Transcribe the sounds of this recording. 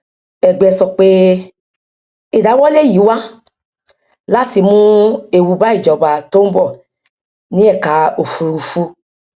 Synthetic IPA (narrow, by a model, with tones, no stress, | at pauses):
ɛ˨ɡ͡bɛ˧sɔ˨k͡pe˦ | i˨da˨˦wɔ˦le˦˨ji˨˦wa˦ | la˦ti˧mũ˦e˨wu˧ba˦i˦˨d͡ʒɔ˨ba˨to˦bɔ˦˨ | nĩ˨˦ɛ˦˨ka˨˦o˨fu˧ɾu˧fu˧